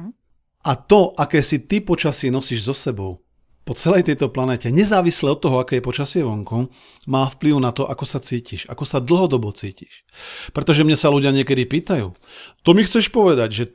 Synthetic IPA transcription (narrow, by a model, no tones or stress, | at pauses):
ʔat̪ɔʔakɛːsit̪ipɔt͡ʃasɪɛnɔsiːʒzɔsɛbɔʊ | pɔt͡sɛlɛjt̪ɛjt̪ɔplanɛːcɛɲɛzaːʋislɛɔt̪ːɔɦɔakɛːjɛpɔt͡ʃasɪɛʋɔŋkɔ | maːfpliʊnat̪ɔʔakɔsat͡siːciʃa̰kɔsad̪l̩ɦɔd̪ɔbɔt͡siːci̥ʃ | pɾɛt̪ɔʒɛmɲasaluɟɪaɲɪɛkɛd̪ipiːt̪ajṵːt̪ɔmixt͡sɛʃpɔʋɛd̪aɟʒɛ